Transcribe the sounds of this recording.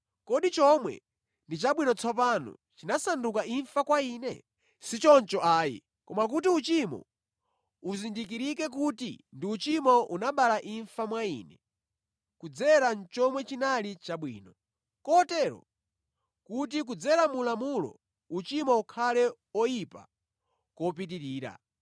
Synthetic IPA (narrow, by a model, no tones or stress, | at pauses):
kɔɗit͡ʃɔmwɛ̰ | ndit͡ʃaɓwinɔt͡sʰɔp̬anɔ̰ | t͡ʃinasandukaiɱfakwainɛ̰ | sit͡ʃɔnt͡ʃɔʔaːjḭ | kɔmak̬utiut͡ʃimɔ̰ | uzindik̬iɾikɛk̬utḭndiut͡ʃimɔʔunaɓalaʔiɱfamwaḭːnɛ | kud͡zɛɾant͡ʃɔmwɛt͡ʃinalit͡ʃaɓwiːnɔ | kɔtɛɾɔ̰ | kut̬ik̬ud͡zɛɾamulamulɔ̰ | ut͡ʃimɔukʰalɛ | ɔjipa | kɔp̬it̬iɾiːɾa̰